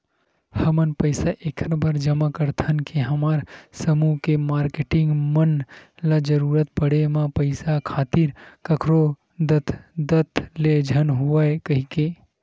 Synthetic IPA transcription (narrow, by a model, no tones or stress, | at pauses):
həmənpəɪsaʔekʰɾbəɾd͡ʒəmakəɾt̪ʰənkeɦəmaːɾsəmukemaːɾkeʈɪ̃ŋɡmənlad͡ʒəɾuːɾət̪̚pəɽemãpəɪsakʰaːt̪iɾkəkʰɾo | d̪ət̪ʰd̪ət̪ʰled͡ʒʱənɦuʋakəɦike